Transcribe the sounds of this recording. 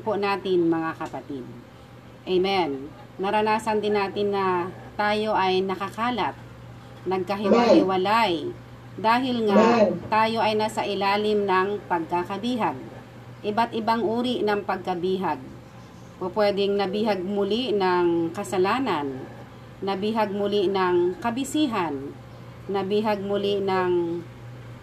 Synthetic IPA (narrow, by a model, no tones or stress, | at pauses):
pʊnaːt̪ɪnmɐŋakɐpɐt̪id̪̚ | ʔɛmɛnː | ɐɾɐnaːsɐnd̪ɪnːaːt̪ɪnːɐt̪aːjo̞ʔɐjnɐkɐkaːlɐt̪̚ | nɐɡ̚kɐɦɪwajwɐlaj | d̪aːɦɪlŋat̪aːjo̞ʔɐjnasɐʔɪlaːlɪmnɐŋpɐɡ̚kakɐbiːɦaɡ̚ | ʔɪbat̪ʔɪbaŋʔuːɾɪʔnɐŋpɐɡ̚kɐbiːɦaɡ̚ | popwɛːd̪ɪŋnɐbiːhaɡ̚mʊlinɐŋkɐsɐlaːnanː | ɐbiːɦaɡ̚mʊliʔnɐŋkɐbɪsiːɦanː | ɐbiːɦaɡ̚mʊlɪnɐŋ